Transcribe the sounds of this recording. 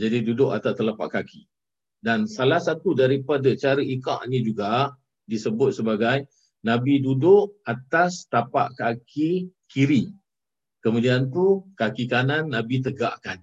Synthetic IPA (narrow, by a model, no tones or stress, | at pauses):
d͡ʒadidudʊʔa̰t̪at̪əlapa̰ʔkaki | dansalahsat̪udaɾipadat͡ʃaɾəʔika̰ʔnĩd͡ʒuɡa | disəbʊt̪̚səbaɡaj | nãbidudʊʔat̪ast̪apa̰ʔkakikiɾi | kəmũdiant̪ukakikananːãbit̪̬əɡaʔkan